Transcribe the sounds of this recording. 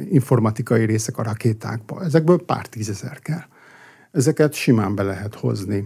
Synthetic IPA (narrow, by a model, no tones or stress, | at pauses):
iɱfo̞rmɒt̪ikɒjiɾeːsɛkɒɾɒkeːt̪a̰ːɡ̚bɒ̰ɛzɛɡ̚bøːlpa̰ːrt̪iːzɛzɛ̰rkɛl | ɛzɛkɛt̪ʃimaːmbɛlɛɦɛt̪ho̞̰zni